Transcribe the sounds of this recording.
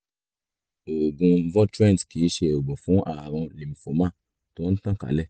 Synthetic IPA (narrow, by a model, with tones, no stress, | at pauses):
o˨ɡũ˧vɔ˦tɾɛ̃˦n˨tki˨˦ʃe˧o˨ɡ͡bɔ̃˨fũ˨˦ʔa˦˨ɾ̃ɔ̃˧li˨m̩˨fo˨˦mã˦˨ | to˦n̩˦tã˦˨ka̰˨˦lɛ˦˨